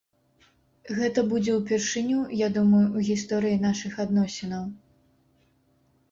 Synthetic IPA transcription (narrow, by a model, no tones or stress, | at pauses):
ɣɛt̪ɐbud͡zʲɛwpʲɛrʂɨnʲujad̪umɐjuwɣʲist̪ɔɾɨjin̪aʂɨxad̪nɔsʲɛnɐw